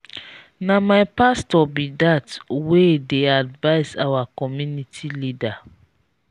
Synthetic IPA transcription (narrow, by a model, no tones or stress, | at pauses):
namaɪpastɔbidatwedeadvaɪza̰wakɔmjunitʰilida